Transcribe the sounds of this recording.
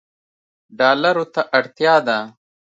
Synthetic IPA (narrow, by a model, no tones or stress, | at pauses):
ɖaːlɐɾot̪aʔɐɽt̪jaːd̪a